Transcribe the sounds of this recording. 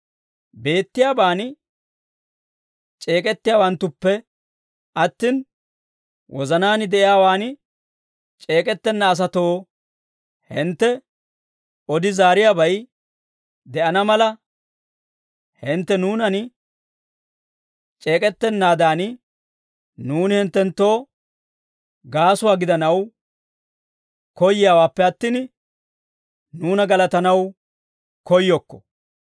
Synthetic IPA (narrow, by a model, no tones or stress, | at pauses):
be̞ːt̪ːɪjaːbaːnɪ | t͡ʃʼe̞ːkʼɛt̪ːɪjaːwɐnt̪ːʊpːɛ | ʔɐt̪ːin | wɔzɐnaːnɪd̪ɛʔɪjaːwaːnɪ | t͡ʃʼe̞ːkʼɛt̪ːɛnːɐːs̬ɐt̪oː | hɪnt̪ːɛ | ɔd̪ɪzaːɾɪjaːbɐj | d̪ɛʔɐnɐmɐlɐ | hɪnt̪ːɛnuːnɐn | t͡ʃʼe̞ːkʼɛt̪ːɛnːaːd̪aːn | nuːnɪhɪnt̪ːɛnt̪ːo̞ː | ɡaːsʊwaːɡɪd̪ɐnɐw | kɔjːɪjaːwaːpːɛɐt̪ːin | nuːnɐɡɐlɐt̪ɐnɐw | kɔjːɔkːɔ̥̰